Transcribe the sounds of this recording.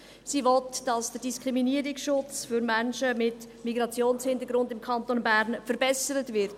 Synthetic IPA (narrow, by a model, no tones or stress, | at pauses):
siʋɔtd̥ɑsd̥əd̥iskʁiminiəɾɪksʃʊt͡sfʏɾmænʃəmɪt | miɡɾɑt͡sjoːnshɪndəɾɡɾʊndɪmkʰɑntonbæɾnfəɾbɛsəɾətvɪɾt